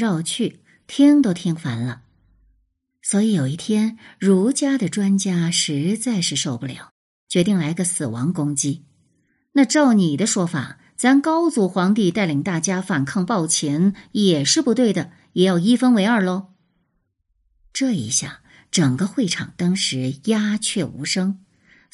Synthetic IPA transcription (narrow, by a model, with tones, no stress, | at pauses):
ɻɑ˥˧ʊt͡ɕʰy˥˩ | t̪ʰi˥ŋt̪o˥ʊt̪ʰi˥ŋfa˧˥nlə˧ | swɔ˧˥i˧˥jo˨˩ʊi˥˩t̪ʰjɛ˥nɻu˧˥t͡ɕja˥d̪ə˨ʈ͡ʂwa˥nt͡ɕja˥ʂɻ̩˧˥t͡sa˥˧ɪʂɻ̩˥˧ʂo˥˧ʊpu˥˩ljɑ˨˦ʊ | t͡ɕɥɛ˧˥t̪i˥˩ŋla˧˥ɪ˧ɡə˧sɹ̩˨˩wɑ̰˧˥ŋkʊ˥ŋt͡ɕi˥ | na˥˧ʈ͡ʂɑ˥˩ʊni˨˩d̪ə˦ʂwɔ˥fa̰˨˩ | t͡sa˥nkɑ˥ʊt͡su˧˥xwɑ˧˥ŋt̪i˥˧t̪a˥˩ɪli˨˩ŋt̪a˥˩t͡ɕja˥fa˨˩nkʰɤ˥˧ŋpɑ˥˩ʊt͡ɕʰɛ˧˥njɛ˨˩ʂɻ̩˥˧pu˧˥t̪we˥˩ɪd̪ə˩ | jɛ˨˩jɑ˥˩ʊi˥fə˥nwe˧˥ɪə˞˥˩lə˧ | ʈ͡ʂɤ˥˩ḭ˧˥ɕja̰˥˩ | ʈ͡ʂɤ˨˩ŋɡə˦xwe˥˩ɪʈ͡ʂʰɑ̰˨˩ŋt̪ɑ˥ŋʂɻ̩˧˥ja˥t͡ɕʰɥɛ˥˩ṵ˧˥ʂɤ˥ŋ